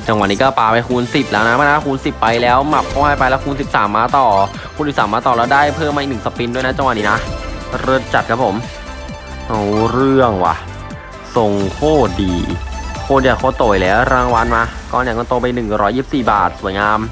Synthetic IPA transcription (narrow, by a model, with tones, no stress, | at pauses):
t͡ɕa˧ŋwa˨˩niː˦kɔː˥˩paː˧pa˧jkʰuː˧nsi˨˩t̪̚lɛː˦˥na˦˥ma˧na˧˥˩kʰuː˧nsi˨˩pːa˧jlɛː˦˥wma˨˩p̚kʰɔ˧˥˩haː˥˩jpa˧jlɛː˦˥wkʰuː˧ns̬i˨˩p̚saː˩˦mːaː˧t̪ɔː˨˩ | kʰu˧nsi˨˩saː˩˦mːaː˧t̪ɔː˨˩lɛː˦˥wdaː˥˩jpʰɤː˥˩mːa˧i˨˩nʰɯ˨˩˨sa˧pi˧ndu˥˩əjna˦˥t͡ɕa˧wa˨˩t̪̚niː˦˥na˦˥ʔɾɤ˧˩t̪̚t͡ɕa˨˩t̪̚kʰa˦˥pʰo˩˦m | ʔa˧˩wɾɯ˥˩əŋwa̰˧˩ | so˨˩ŋkʰoː˥˩t̪̚diː˧kʰoː˥˩jaː˧˩kʰoː˧˥˩t̪oː˨˩jlɛː˦˥wɾaː˧ŋwa˧nmaː˧kɔː˧˩nja˨˩ŋkɔː˧˩t̪o˧pa˧jnɯ˨˩ŋɾɔː˦˥jːiː˥˩p̚siː˨˩ba̰ː˨˩t̪̚su˨˩˦əjŋaː˧m